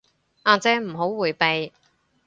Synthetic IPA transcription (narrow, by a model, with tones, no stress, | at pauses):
ʔaː˨t͡sɛː˧m̩˨˩ɦo˨˥wwuː˨˩jpe˨j